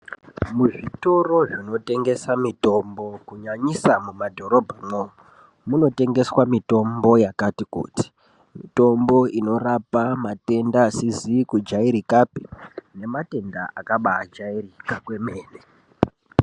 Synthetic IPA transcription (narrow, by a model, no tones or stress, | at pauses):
muʐito̞ro̞ʐino̞te̞ŋɡe̞samito̞mbo̞kuɲaɲisamumadʱo̞ɾo̞bʱamo | muno̞te̞ŋɡe̞swamito̞mbo̞jakatikṵːti̥ | mito̞mbo̞ʔino̞rapamate̞ndaːsizikud͡ʒaiɾikapi̥ne̞mate̞ndaʔakaɓaːd͡ʒairikakwe̞meːne